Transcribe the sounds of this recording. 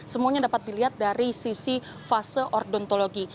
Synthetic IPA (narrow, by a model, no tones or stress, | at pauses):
səmuaɲadapat̪̚diliɦat̪̚daɾisisi | fasəʔɔrdɔnt̪oloɡi